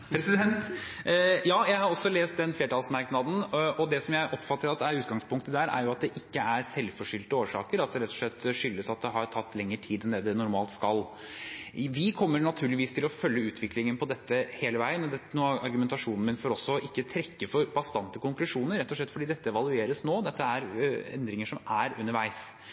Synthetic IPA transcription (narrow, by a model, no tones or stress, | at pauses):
pʰɾɛsɪd̪ɛnt̪ | jɑːjæɪhɑɾɔsːɔleːst̪̚d̪ɛnfleːʈɑːlsmæɾknɑd̪n̩ɔd̪ɛsɔmjæɪʔɔpːfɑt̪ːəɾɑt̪ːæɾʉːt̪̚ɡɑŋspʰʊŋk̚t̪əd̪ɛhæːɾʔæ̰ɾjʊɑt̪̚d̪ɛʔɪkːəæɾsɛlfɔʂʏlt̪əoːʂɑ̰ːkəɾɑt̪̚d̪ɛɾɛt̪ːɔ̥ʂlɛt̪ːʂʏlːəsɑt̪̚d̪ɛɦɑɾʈʰɑt̪ːlɛŋːəʈʰiːd̪ɛnd̪eːd̪ɛnʊɾmɑːlt̪skɑl | ʋɪkʰɔmːəɾɳɑt̪ʰʉːɭɪʋiːst̪ʰɪlɔfœlːəʉːt̪ʰʋɪklɪŋənpʰɔd̪ɛt̪ːəheːləʋæɪənɔd̪ɛnuːʔɑɾɡʉmɛnt̪ɑʂuːnnmɪnfɔɾɔsːɔʔɪkːət̪ʰɾɛkːəfɔɾbɑst̪ɑnt̪əkʊŋklʉʂuːnəɾːɛt̪ːɔʂ̬ɭɛt̪fɔɖiːd̪ɛt̪ːəɛʋɑlʉeːɾəsnoːd̪ɛt̪ːəæɾɛ̰nd̪ɾɪŋəʂɔmʔæɾʉnəɾʋæɪs